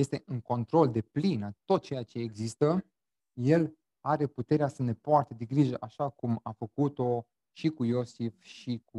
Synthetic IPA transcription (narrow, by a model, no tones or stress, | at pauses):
je̞st̪e̞ʔɨŋko̞nt̪ɾo̞ld̪e̞plinat̪o̞t̪̚t͡ʃe̞jat͡ʃe̞ːɡzist̪ə | je̞l | aɾe̞put̪e̞ɾeasəne̞poart̪e̞d̪eɡɾiʒəʔaʃakumafəkut̪o̞ | ʃikujo̞sifʃiku